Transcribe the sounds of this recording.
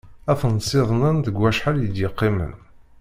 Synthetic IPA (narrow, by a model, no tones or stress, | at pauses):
æfnsˤɪðˤnənt̪əɡwæʃħaljəd̪jəqːimə̰n